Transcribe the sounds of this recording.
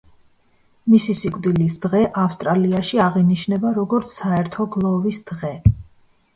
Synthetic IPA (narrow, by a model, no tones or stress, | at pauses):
misisikʼd̪ilisd̪̥ʁɛʔafst̪ʼɾaliaʃiaʁiniʃnɛbaɾɔɡɔɾt̪sʰsaɛɾt̪ʰɔɡlˠɔvisd̪̥ʁɛ